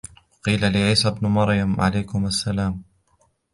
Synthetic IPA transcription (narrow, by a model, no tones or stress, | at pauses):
wɑqiːlalɪʕiːsabnʊmɑɾjamʕa̰lajkʊmasːalaːm